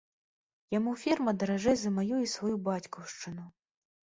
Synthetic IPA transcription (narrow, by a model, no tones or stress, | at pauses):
jamufʲirmɐd̪ɐɾaʐɛzɐmajuisvajubat͡sʲkɔwʂt͡ʂɨnu